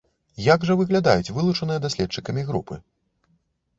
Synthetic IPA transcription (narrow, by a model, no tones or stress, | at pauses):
jaɡʐɐvɨɣlʲad̪ajut͡sʲvɨlˠut͡ʂɐnɨjɐd̪asʲlʲɛt̪̚t͡ʂɨkɐmʲiɣɾupɨ̰